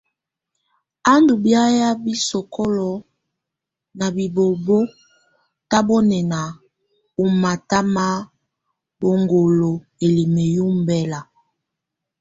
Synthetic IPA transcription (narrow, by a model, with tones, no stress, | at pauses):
a˦ndu˨bja˦ja˦bi˦sɔ˨kʰɔ˦lɔ˨ | na˨bi˨bo˨bo˦ | ta˦bo˦nɛ˨na˨ | u˦ma˨ta˦ma˦ | bo˨ŋɡo˨lo˨ | e˨li˨me˨ju˦m˦˨bɛ˦la˨